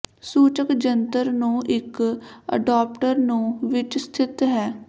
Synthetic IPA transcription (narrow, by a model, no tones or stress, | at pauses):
suːt͡ʃəkd͡ʒənt̪əɾnũːʔɪkə̰ɖaːpʈəɾnũːʋɪt͡ʃst̪ʰɪt̪ɦɛː